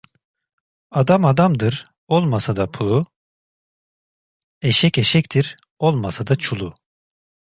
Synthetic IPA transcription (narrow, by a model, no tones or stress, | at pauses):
ad̪amad̪amd̪ɯɾ | o̞lˠmasad̪apʰulˠu | eʃɛceʃɛct̪ʰiɾ | o̞lˠmasad̪at͡ʃʰulˠu